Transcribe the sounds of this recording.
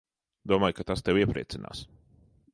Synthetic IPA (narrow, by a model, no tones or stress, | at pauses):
d̪uɔmaːjkat̪ast̪ewiɛpɾiɛt̪sina̰ːs